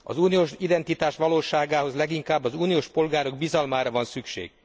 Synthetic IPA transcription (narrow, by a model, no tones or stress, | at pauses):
ɒ̰zuːnijoːʃid̪ɛnt̪it̪aːʃʋɒloːʃaːɡaːɦo̞zlɛɡiŋkaːbːɒzuːnijoːʃpo̞lɡaːɾo̞ɡbizɒlmaːɾɒvɒnsykʃḛːɡ̥